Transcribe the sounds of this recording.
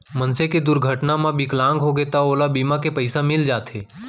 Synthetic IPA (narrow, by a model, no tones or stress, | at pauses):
mɐnseked̪ʊɾɡʱəʈnamãbɪklãːŋɡɦoɡet̪aoːlabiːmãkepɐɪsamɪld͡ʒaːt̪ʰɦeː